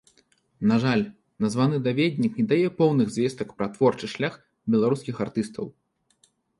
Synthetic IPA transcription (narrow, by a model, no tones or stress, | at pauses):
naʐalʲ | nazvanɨd̪avʲɛd̪ʲnʲiknʲɛd̪ajɛpɔwnɨɣzʲvʲɛst̪ɐkpɾɐt̪vɔrt͡ʂɨʂlʲax | bʲɛlˠaɾuskʲixart̪ɨst̪ɐ̰w